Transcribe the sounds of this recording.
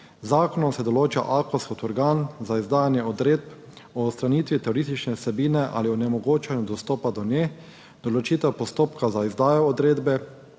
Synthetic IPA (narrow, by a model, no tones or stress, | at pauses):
zaːkɔnɔmsɛd̪ɔloːt͡ʃa̰ʔakɔskɔt̪ɔɾɡaːnzaizd̪aːjanjɛɔd̪ɾeːd̪̚p | ɔst̪ɾaniːt̪ʋit̪ɛoɾist̪it͡ʃnɛsɛbiːnɛʔa̰liɔnɛmɔɡoːt͡ʃɛnjud̪ɔst̪oːpad̪ɔne | d̪̥ɔlɔt͡ʃiːt̪ɛpɔst̪oːpkazaizd̪aːjɔːd̪ɾeːd̪bɛ